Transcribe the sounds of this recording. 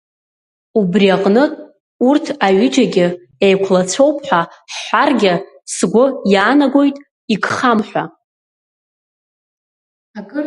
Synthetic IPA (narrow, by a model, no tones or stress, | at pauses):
ubriaqʼnɨtʼ | urtʰaɥɪd͡ʒaɡʲɪ | ejkʷʰlat͡sʷʰo̞wpʰħʷᶣaħħʷarɡʲɪ | sɡʷʊjaːnaɡʷo̞jtʼ | ikχamħʷa̰